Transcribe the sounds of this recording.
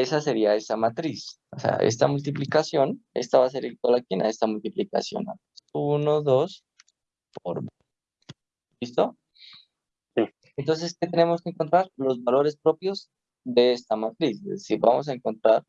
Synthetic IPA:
e̞sase̞ɾiae̞samat̪ɾis | osea̰ʔe̞̰st̪amult̪̬iplikasjo̞ne̞̰st̪aβas̬e̞ɾilkolakina̰e̞st̪amult̪iplika̰sjo̞̰na̰n | unoðo̞s | poɾ | bist̪o̞ | si | ent̪o̞ns̬e̞sket̪ene̞mo̞skeːŋko̞nt̪ɾaɾlo̞zβalo̞ɾe̞spɾo̞pjo̞z | ðe̞est̪amat̪ɾisezðesiɾβa̰mo̞s̬ae̞ŋko̞nt̪ɾaɾ

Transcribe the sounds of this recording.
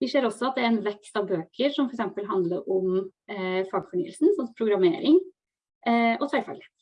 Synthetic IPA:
ʋɪseːɾɔsːɔɑt̪̚d̪ɛæɾɛnʋɛkst̪ɑʋbøːkʰəɾʂɔmfɔɾɛksɛmpəlɦɑnd̪ləɾʔɔm | fɑːɡfɔɳy̰ːəlsn̩sɔnpʰɾʊɡɾɑmeːɾɪŋ | ʔɔt̪ʰɑɪfɑ̰ːɡlɪheːt̪

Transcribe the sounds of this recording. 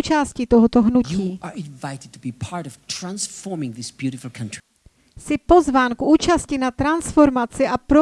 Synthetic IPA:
t͡ʃaːscit̪oɦot̪oɦnuciːə˞ɪ̃nvaɪɾɨd̚tʰəbipʰaɹɾɔv̥tʰɹ̥ãnsfɔɹmɪ̃ŋðɪsb̥jʉɾɪfl̩ˠkʰʌ̃ntɹ̥i | sɪpo̞zvaːmkʔuːt͡ʃascɪnat̪ɾansfo̞ɾmat͡sɪʔapɾo

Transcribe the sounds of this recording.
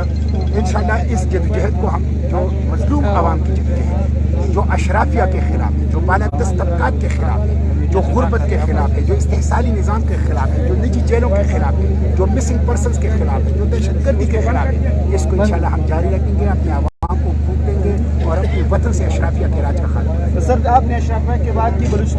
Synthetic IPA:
ɪnʃaːlːaɦɪsd͡ʒɐd̪d͡ʒɐɦət̪̚koɦɐm | d͡ʒoː | mɐzluːmɐʋaːmkid͡ʒɐd̪d͡ʒɐɦɛ̃t̪ɛ̃ | d͡ʒoːʔɐʃɾaːfijakexɪla̰ːfɦɛ̃d͡ʒoːbaːlad̪ɐst̪ɐfkaːt̪kexɪla̰ːfɦɛ̃ | d͡ʒoːɣʊɾbət̪̚kexɪlaːfɦɛ̃d͡ʒoːɪst̪eɦsaːlinɪzaːmkexɪlaːfɦɛ̃d͡ʒoːnid͡ʒit͡ʃeːlõkexɪlaːfɦɛ̃ | d͡ʒoːmɪsɪ̃ŋɡ̚pɐɾsənskexɪlaːfɦɛ̃d͡ʒoːd̪ɛʃəd̪ɡəɾd̪ʱikexɪlaːfɦɛ̰̃ | ɪskoɪnʃaːlːaɦɐmd͡ʒaːɾiɾɐkʰẽːŋɡeɐpneɐʋa | mkokʰũːt̪ẽːŋɡe | ɔːɾɐɐpneʋɐt̪ənseɐʃɾaːfijakeɾaːd͡ʒɾɐkʰa̰d̪ẽ | sɐɾd̪aːpneɐʃɾaːfijakebaːd̪̚kibɐɾʊʃ

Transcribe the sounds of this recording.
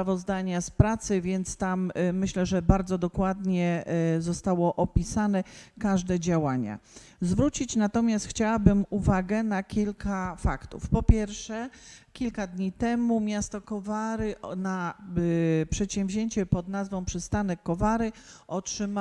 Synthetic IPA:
vɔzd̪aɲaspɾat̪sɘvʲjɛnt̪st̪amːɘɕlɛʐɛbaɾd̪zɔd̪ɔkwad̪ɲɛzɔst̪awɔʔɔpʲisanɛkaʐd̪ɛd͡ʑawaɲa̰ | zvɾut͡ɕit͡ɕnat̪ɔmʲjast̪xt͡ɕawabɘmuvaɡɛnakʲilkʰafa̰kt̪ṵfpɔpʲjɛɾfʂɛkʲilkad̪ɲit̪ɛmumʲjast̪ɔkɔvaɾɘna | pʂɛt̪ɕɛ̃w̃vʑeɲt͡ɕɛpɔd̪nazvɔ̃w̃pʂɘst̪anɛkːɔvaɾɘɔtʂɘm

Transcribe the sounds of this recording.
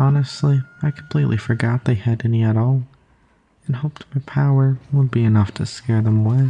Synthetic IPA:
ɑnɨstˡliaɪkʰm̩pʰl̥iʔˡlʔifə˞ɡɑt̪̚ðeɪɨɾɛniɨɾɔlˠ | ɨ̃nɦoʊp̚tmaɪpʰaʊə˞wəd̚biɨnʌftʰɨskɛɹðə̃mwɛ

